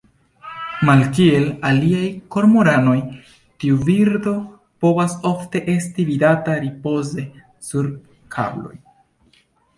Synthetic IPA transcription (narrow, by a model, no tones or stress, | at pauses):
malkie̞laliajko̞ɾmoɾano̞j | tiuviɾdo̞ | po̞vaso̞fte̞ʔe̞stividataɾipo̞ze̞ | suɾ | kʰa̰blo̞̰j